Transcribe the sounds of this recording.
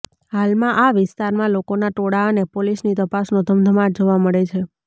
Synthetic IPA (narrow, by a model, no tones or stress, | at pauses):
halmãʔaʋɪst̪aɾmãlokonaʈoɽaənepolisnit̪əpasnod̪ʱəmd̪ʱəmaʈd͡ʒoʋaməɭet͡ʃʰe